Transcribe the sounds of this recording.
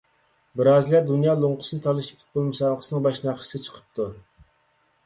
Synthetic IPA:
bɪɾɑzlʲˠɛd̪unjɑːlˠoɴqʰʊ̥sɨnɨt̪ʰɑlˠɨʃi̥t̪ʰɪ̥t̪̚bolˠmusɑːlˠqʰəsɨnɨŋbɑʃnɑχə̥sɨt͡ʃʰə̥qʰə̥p̚t̪ʰu

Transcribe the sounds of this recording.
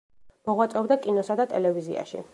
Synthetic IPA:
mɔʁwat̪sʼɛbd̪akʼinɔsad̪at̪ʼɛlɛvizḭa̰ʃḭ

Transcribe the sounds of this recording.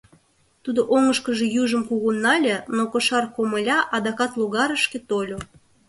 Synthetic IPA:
t̪ud̪oʔoŋəʃkəʒĕjuʒə̆mkuɣunːɑlʲenokoʃɑrkoməlʲɑʔɑd̪ɑkɑt̪luɣɑɾəʃket̪olʲo

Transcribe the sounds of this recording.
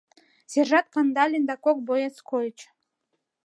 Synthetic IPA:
sʲerʒat̪̚kand̪alʲind̪akok̚bojat͡skʰojʲit͡ʃ

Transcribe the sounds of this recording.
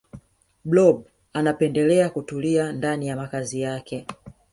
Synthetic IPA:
blɔb̚ | anapɛndɛlɛakutuliandanijamakazijakɛ

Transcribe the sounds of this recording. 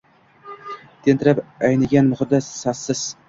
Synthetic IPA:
t̪ʰent̪ʰɪɾapajnɪɡʲanmʊχɨd̪asːasːɪz̥

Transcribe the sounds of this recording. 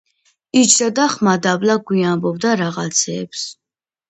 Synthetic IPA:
it͡ʃʰd̪ad̪aχmad̪ablaɡwiambɔbd̪aɾaʁat̪sʰɛːps

